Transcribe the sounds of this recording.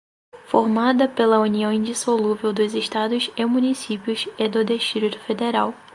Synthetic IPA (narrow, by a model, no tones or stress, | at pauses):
foɾmad̪ɐpelɐuniɐ̃w̃ĩd͡ʒisoluvewd̪ʊziʃt̪ad̪ʊsemũnisipiʊsed̪ʊd̪eʃt̪ɾit̪ʊ̥fed̪eɾaw